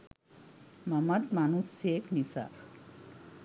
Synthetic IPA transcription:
mʌmʌt̪manusekʰnisa̰ɾ

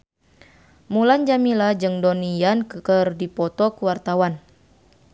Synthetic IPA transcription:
muland͡ʒamilad͡ʒɨŋdɔnijankkərdipɔt̪ɔkəwart̪awan

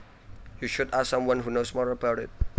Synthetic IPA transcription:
juʃudassãmwãnɦunosmɔɹəbaʊɾɪ̰t̚

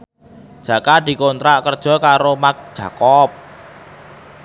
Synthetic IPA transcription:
d̥ʒ̥ä̤kad̪̥i̤kont̪ɾaʔkərd̥ʒ̥ɔ̤kaɾomak̚d̥ʒ̥ä̤kɔp̚

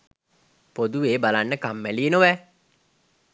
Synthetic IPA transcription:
pod̪ueːbalanːəkamːælienoʋɛ

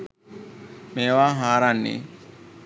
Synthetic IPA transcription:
meːʋaːɦaːɾanːḛ

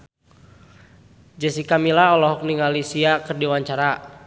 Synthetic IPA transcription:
d͡ʒəsikamilaɔlɔɦɔk̚niŋalisiakərdiwaɲt͡ʃaɾa

